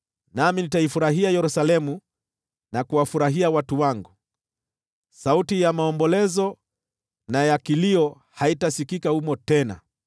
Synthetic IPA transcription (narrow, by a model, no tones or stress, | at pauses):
naminitaifuɾaɦiajɛɾusalɛmu | nakuwafuɾaɦiawatuwaŋɡu | sautijamaɔmbɔlɛzɔ | najakiliɔ | haitasikikahumɔtɛna̰